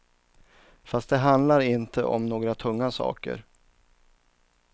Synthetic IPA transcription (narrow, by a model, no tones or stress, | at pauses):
fast̪̚d̪ɛɦand̪laɾɪnt̪ʰəʔɔ̰mnoːɡɾat̪ʰɵŋːasɑ̰ːkə̰ɾ